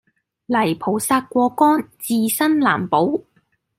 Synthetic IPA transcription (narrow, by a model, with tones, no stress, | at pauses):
lɐ˨˩jpʰo˨˩wsaː˧t̚kʷɔː˧kɔː˥nt͡siː˧sɐ˥nla̰ː˨˩mpo˨˥w